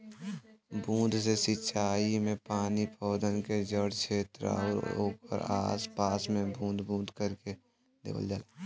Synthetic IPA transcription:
bũːnd̪sesɪt͡ʃʰaːimẽpaːnipʰɔːd̪ənked͡ʒəɽkʰeːt̪ɾa̰ːɾo̰ːkə̰ɾa̰ːspaːsmẽbʱũːnd̪bʱũːnd̪kəɾke | d̪ḛːʋə̰ld͡ʒaːlaː

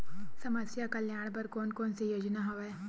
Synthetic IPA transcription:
sɐməsjakɐljaːɽ̃pɐɾkoːnkoːnsejoːd͡ʒnaɦoʋe

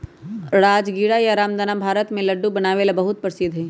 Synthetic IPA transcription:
ɾaːd͡ʒɡiːɽajaɾaːmd̪ənabʱaːɾət̪mẽlɐɖːubɐnaːʋelabɐɦʊt̪̚pɾəsɪd̪ʱɦɛ

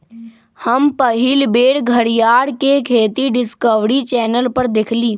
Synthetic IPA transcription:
həmpəɦɪlbeːɽɡʱəɽijaːɽkekʰeːt̪iɖɪskəʋɽit͡ʃɛːnəlpɐɾd̪ɪkʰliː

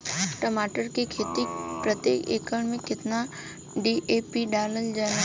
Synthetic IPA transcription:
ʈəmaːʈəɾkekʰeːt̪ipɾət̪jeːkḛːkəɳmẽkɪt̪na | ɖiʔeːpiɖaːləld͡ʒaːna

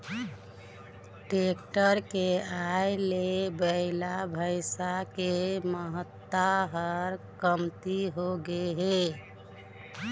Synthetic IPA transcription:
ʈek̚ʈəɾkeajlebəɪlabʱəɪsakeməɦət̪ːaɦəɾkəmt̪iɦoɡeɦe

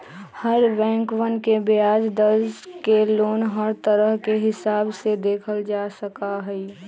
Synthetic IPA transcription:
həɾbɛ̃ːŋkʋənkebɪaːd͡ʒd̪əɾzkeloːnɦəɾt̪əɾəɦkeɦɪsaːbsed̪eːkʰəld͡ʒaːsəkaɦɛi

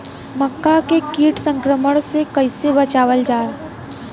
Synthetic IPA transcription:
məkːakekiːʈsə̃ŋkɾəməɽ̃sekɐɪsebɐt͡ʃaːʋəld͡ʒaː

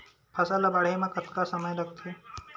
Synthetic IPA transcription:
pʰasalabaɽ̤emakət̪kasəməjləɡt̪ʰo

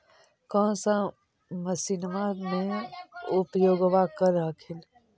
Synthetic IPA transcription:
kɔ̃sã | məsinmanẽ | ʊpjoːɡʋakəɾakʰɪl

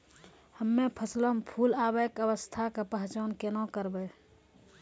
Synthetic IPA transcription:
həmːẽpʰəsləmpʰuːlaːbəkəwəst̪ʰakapəɦt͡ʃaːnkenõkəɾbeː

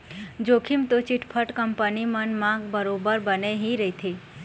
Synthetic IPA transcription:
d͡ʒokʰimt̪ot͡ʃiʈʰpʰəʈkəmpənimənmãɡbəɾobəɾbəneɦiɾəɦit̪ʰi

